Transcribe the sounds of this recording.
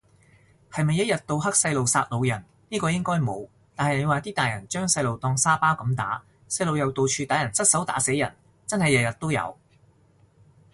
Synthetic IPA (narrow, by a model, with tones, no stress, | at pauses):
hɐ˨jmɐ˨jɐ˥jɐ˨t̚t̪o˧wɦɐ˥k̚sɐ˧jlo˨wsaː˧t̚lo˨˧wjɐ˨˩n | niː˥kɔː˧jɪ˥ŋkɔː˥jmo˨˧w | t̪aː˨nhɐ˨jne˨˧waː˨˧t̪iː˥t̪aː˨jɐ˨˩nt͡ʃœː˥ŋsɐ˧jlo˨wt̪ɔː˧ŋsaː˥paː˥wkɐ˨˥mt̪a̰ː˨˥ | sɐ˧jlo˨wjɐ˨˧wt̪o˨wt͡ʃʰyː˧t̪aː˨˥jɐ˨˩nsɐ˥t̚sɐ˨˥wt̪a̰ː˨˥se˨˥jɐ̰˨˩n | t͡sɐ˥nhɐ˨jɐ˨˩jɐ˨˩t̚t̪o˥wjɐ̰˨˧w